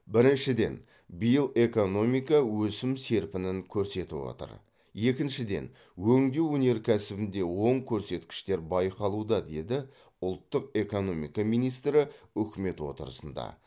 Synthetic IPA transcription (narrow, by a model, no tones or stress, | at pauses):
bɪɾɪnʃɪd̪e̞̰n | bijəlˠe̞ko̞no̞mijkɑwɵsɪmse̞ɾpɪnɪŋkʲʰɵɾse̞t̪ɪ̰pwo̰t̪ə̰ɾ | je̞kʲɪnʃɪd̪e̞̰n | wɵŋd̪ewɵne̞ɾkʲʰæsɪbɪnd̪e̞wo̞ɴkʲʰɵɾse̞t̪kʲɪ̥ʃt̪e̞ɾbɑjqɑlˠud̪ɑd̪e̞d̪ɪ | ʊlˠt̪ːəq̚e̞ko̞no̞mḭjkɑmijnijst̪ɾɪʏkʲɪme̞t̪wo̞̰t̪əɾə̰sənd̪ɑ̰